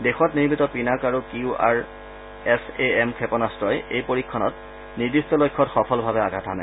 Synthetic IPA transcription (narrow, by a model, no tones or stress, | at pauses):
dexɔtniɹbitɔpinakaɹukiuʔa̰ɹ | ɛseɛmkʰɛpɔnastɹɔjejpoɹikʰːɔnɔt | nidistɔlojkʰːɔtxɔpʰɔlbʱabɛaɡʱatʰana